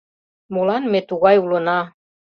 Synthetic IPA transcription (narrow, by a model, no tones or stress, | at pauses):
mulɑnmet̪uɣɑjulɤ̆nɑ